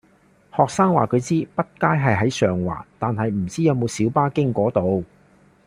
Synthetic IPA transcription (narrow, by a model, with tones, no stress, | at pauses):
hɔː˨k̚saː˥ŋwa̰ː˨kʰɵ˨˧ɥt͡siː˥pɐ˥t̚kaː˥jɦɐ˨jɦɐ˨˥jsœː˨ŋwa̰ː˨˩t̪aː˨nɦɐ˨jm̩˨˩t͡siː˥jɐ˨˧wmo˨˧wsiː˨˥wpaː˥kɪ˥ŋkʷɔː˨˥t̪o˨˧w